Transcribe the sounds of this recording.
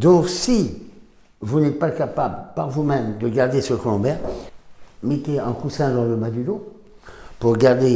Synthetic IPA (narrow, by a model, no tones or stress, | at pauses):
d̪ɔ̃ksi | vunɛt̪̚pakapablpaʁvumɛmd̪əɡaʁd̪esəkɔlɔ̃bɛʁ | met̪eɛ̃kusɛ̃d̪ɑ̃ləbad̪ylo | puʁɡaʁd̪e